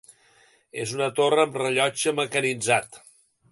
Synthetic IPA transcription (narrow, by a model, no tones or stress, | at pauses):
ḛzunət̪orəːmrəʎɔd͡ʒəməkənid͡zat̪